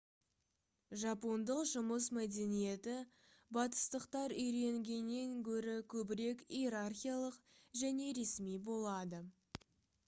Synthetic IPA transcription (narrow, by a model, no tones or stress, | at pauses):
ʒɑpo̞nd̪əqʒʊməsmæd̪e̞nije̞t̪ɪ | bɑt̪ə̥st̪əqt̪ɑɾʏjɾe̞ŋɡʲe̞nːeŋkʲʰɵɾɪkʲʰɵbɪɾe̞kijeɾarχʲijalˠəqʒæne̞ɾe̞smijbo̞lˠɑd̪ə